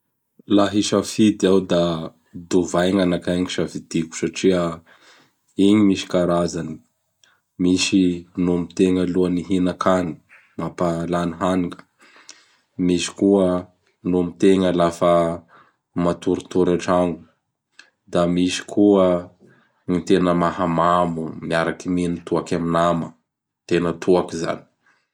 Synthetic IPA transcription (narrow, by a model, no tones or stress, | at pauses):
laɦiʃafid̪iawd̪a | d̪uvajŋanakaŋiʃafid̪iku̥saʈ͡ʂiə | iɲimiʃi̥kaɾazani̥ | miʃinomit̪eŋəluəniɦinakʰani̥ | mapalaniɦaniŋə̥ | misi̥kuə | numit̪eŋəlafə | mat̪uɾut̪uɾaʈ͡ʂaŋɡu̥ | d̪amisi̥kʰuə | ɲit̪enəmahamamumiaɾakiminit̪uakaminamə | t̪enət̪ʰuakiza̰ni̥